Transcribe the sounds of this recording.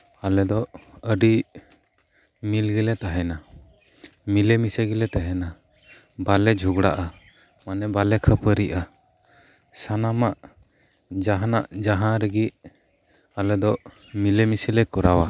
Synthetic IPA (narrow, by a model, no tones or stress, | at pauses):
alɛd̪ɔʔəɖi | milɡɛlɛt̪aɦɛna | milɛmisɛɡɛlɛt̪aɦɛna | balɛd͡ʒʱuɡɽaʔa | manɛbalɛkʰəpəɾiʔa | sanamaʔ | d͡ʒaɦanaʔd͡ʒaɦãɾɛɡi | alɛd̪ɔʔ | milɛmisɛlɛkɔɾawa